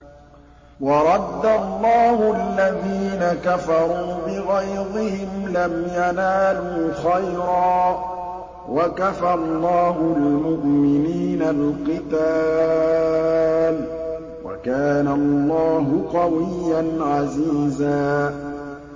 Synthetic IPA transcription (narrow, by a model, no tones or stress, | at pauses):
wɑɾˤɑd̪ːalˤːɑːhʊʔalːaðiːnakafɑɾˤuːbɪɣajɾɪhɪmlamjanaːluːxajɾɑː | wakafalˤːɑːhʊlmʊʔmɪniːnalqɨt̪aː | l | wa̰kaːnalˤːɑːɦʊqɑwɪjːanʕaziːzaː